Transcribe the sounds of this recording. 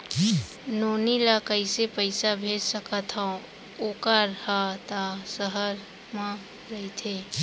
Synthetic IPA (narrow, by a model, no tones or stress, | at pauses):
noːnilakəɪsepəɪsabʱeːd͡ʒsəkat̪ʰã | oːkaɾhat̪asəɦəɾ | mã | ɾɐit̪ʰe